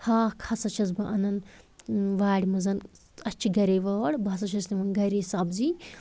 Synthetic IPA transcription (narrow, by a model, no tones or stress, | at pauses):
haːkʰɐsɐt͡ʃʰɐzbɐʔɐnɐn | ʋaːɽʲimɐzɐn | ɐt͡ʃʰiɡɐɾeːʋɐːɽbɐs̬ɐt͡ʃʰɐsniʋɐnɡɐɾesɐbzi